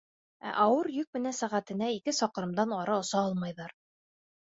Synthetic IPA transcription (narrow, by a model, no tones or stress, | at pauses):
æ̰ʔɑwɤɾjɵk̚mɘ̆nænsæʁæt̪ɘ̆næikɘsɒqɤ̆ɾɤ̆md̪ɑnɑɾɑŏsɑɒlˠmɑjðɑɾ